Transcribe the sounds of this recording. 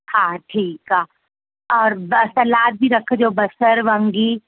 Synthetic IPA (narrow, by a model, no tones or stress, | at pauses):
hãːʈʰiːkɦaː | ɔːɾbsɐlaːt̪̚bʱiɾɐkʰed͡ʒoːbɐsəɾʋə̃ŋɡi